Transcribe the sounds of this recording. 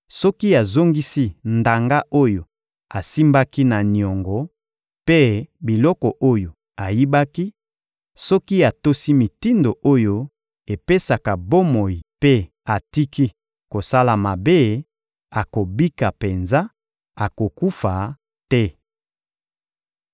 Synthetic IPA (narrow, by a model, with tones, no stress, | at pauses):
sɔ˦ki˦a˨zo˦ŋɡi˦si˦nda˨ŋɡa˦ʔo˦jo˨ | a˨si˦mba˦ki˦na˨ni˨ɔ˨ŋɡɔ˨ | pe˦bi˨lɔ˦kɔ˨ʔo˦jo˨ | a˨ji˦ba˦ki˦ | sɔ˦ki˦a˨to˦si˦mi˨ti˦ndo˨ʔo˦jo˦ | e˨pe˦sa˨ka˨bo˦mo˨ji˨pe˦ | a˨ti˦ki˦ | ko˨sa˦la˨ma˨be˦ | a˨ko˨bi˦ka˨pe˨nza˦ | a˨ko˨ku˦fa˨ | tɛ˦